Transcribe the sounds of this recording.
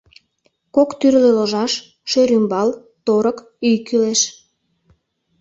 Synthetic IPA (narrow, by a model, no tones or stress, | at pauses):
kokt̪yrleloʒɑʃ | ʃøɾymbɑl | t̪oɾək | yjkyleʃ